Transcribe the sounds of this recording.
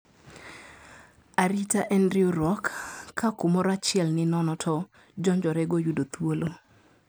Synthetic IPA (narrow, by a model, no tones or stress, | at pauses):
aɾitaʔɛndɾioɾwɔkʰːakumɔɾat͡ʃɪɛlnɪnɔnɔtʰɔ | d͡ʒɔɲd͡ʒɔɾɛɡojudot̪wolo